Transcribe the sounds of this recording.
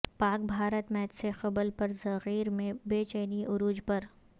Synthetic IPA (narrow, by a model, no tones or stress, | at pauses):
paːk̚bʱaːɾət̪mɛːt̪sexɐbəlpɐɾzɐɣiːɾmẽbeːt͡ʃəːniʔʊɾuːd͡ʒpɐɾ